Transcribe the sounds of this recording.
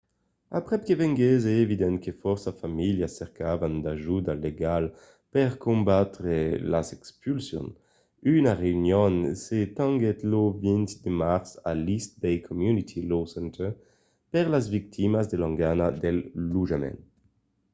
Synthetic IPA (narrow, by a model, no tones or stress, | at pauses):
apʁɛp̚kevɛŋɡezeːvid̪ɛnkefɔʁsafamiljasɛʁkavand̪aʒud̪aleɡal | pɛʁkõmbat̪ʁelazɛkspylsjɔ̰n | ynaʁeynjɔnset̪ɑ̃ŋɡɛt̪lovint̪d̪emaʁsa̰list̪̚bɛjkʰɔmjunit̪ʰilosɛnt̪e | pɛʁlazvik̚t̪ʰimazd̪elãŋɡanad̪ɛlːuʒamɛ̰̃n